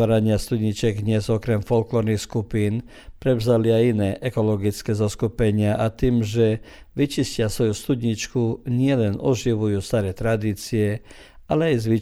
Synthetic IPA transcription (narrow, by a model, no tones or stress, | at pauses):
aːɾaɲɪast̪ud̪ɲit͡ʃɛɡd̪ɲɛzɔkɾɛmfɔlklɔɾnixskupiːn | pɾɛʋzaliajinɛːʔɛkɔlɔɡit͡skɛzɔskupɛɲɪaʔat̪iːmʒɛ | ʋit͡ʃiscɪasʋɔjust̪ud̪ɲit͡ʃkuɲɪɛlɛnɔʒiʋujuːst̪aɾɛːt̪ɾad̪iːt͡siɛ | ʔalɛajzʋi